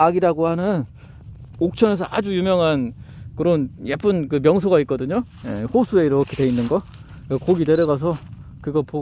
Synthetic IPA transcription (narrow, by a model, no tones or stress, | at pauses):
aɡiɾaɡohanɯn | ok̚t͡ɕʰʌne̞sʰʌad͡ʑujumjʌŋɦankɯɾʌnjep͈ʰɯnkɯmjʌŋs̬ʰoɡait̚k͈ʌdɯɲo | jḛɸosʰue̞iɾokʰeteinːɯnɡʌ | kakoɡideɾjʌɣas̬ʰʌ | kɯɡʌpo